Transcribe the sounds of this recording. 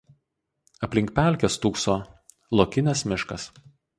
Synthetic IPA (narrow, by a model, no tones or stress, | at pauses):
ɐpʲlʲɪŋʲk̚ʲpʲæˑlʲˑkʲest̪uːksoː | lˠoːkʲɪnʲɛsmʲɪʃkɐs